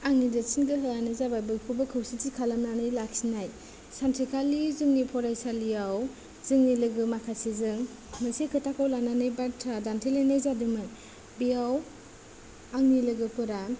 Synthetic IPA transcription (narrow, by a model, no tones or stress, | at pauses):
aŋnidɯsinɡɯɦɯanɯzabajbɯjpʰubɯkʰɯwsitikʰalamnanɯjlaksinaj | santʰikʰalizɯŋnipʰɔɾajsalijaw | z̥ɯŋnilɯɡɯmakʰasizɯŋ | mɯsekʰɯtʰakawlananɯjbatʰadantʰilenajzadɯmɯk̚ | biaw | aŋnilɯɡɯpuɾa